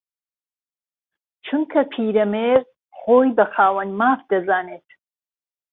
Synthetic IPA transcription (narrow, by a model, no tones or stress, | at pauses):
t͡ʃʰɨmkʰɐpʰiːɾɐmeːr | χoːjbɐχaːwɐnmaːfd̪ɐzaːneːt̪ʰ